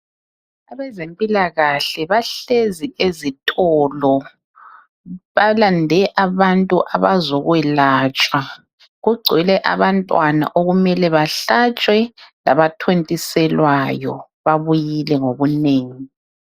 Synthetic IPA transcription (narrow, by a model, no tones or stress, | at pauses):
aβɛzempʼilaɣaɬɛβaɬeziʔezitʼɔlɔ | βalandʱɛʔaβantʼuʔaβazɔɣwɛlaːt͡ʃʼwa | ɣuɡ͡ǀʱilɛʔaβantʼwana̰ʔoɣumɛlɛβaɬat͡ʃʼwɛlaβatʰwentʼisɛlwajɔ̰ | βaβujilɛŋoβuneːŋi